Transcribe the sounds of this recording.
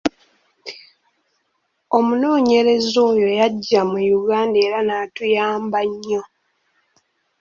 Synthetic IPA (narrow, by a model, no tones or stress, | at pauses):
o̞muno̞ːɲe̞ɾe̞zo̞ːjo̞jaɟːamujuɡaːndeːɾanatujaːmbaɲːo̞